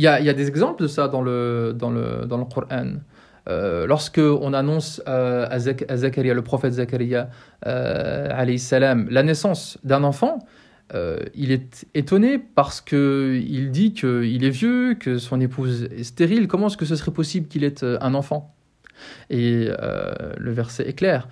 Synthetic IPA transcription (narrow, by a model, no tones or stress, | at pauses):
iljailjad̪ezɛɡzɑ̃pld̪əsad̪ɑ̃ləd̪ɑ̃lə̰d̪ɑ̃ləquɾʔan | ø̰lɔʁskəɔ̃nanɔ̃søazakazakaʁijaləpχɔfɛt̪zakaɾijaø̰ʕalɛjsalamlanɛsɑ̃sd̪ɛ̃nɑ̃fɑ̃ | ø̰ilɛt̪et̪ɔnepaʁsə̥kəild̪ikʰəilɛvjøkəsɔ̃nepuzɛst̪eʁilkɔmɑ̃ɛskəs̬əsəʁɛpɔsiblkʲilɛt̪øɛ̃nɑ̃fɑ̃ | eø̰ləvɛʁsɛʔɛklɛːʁ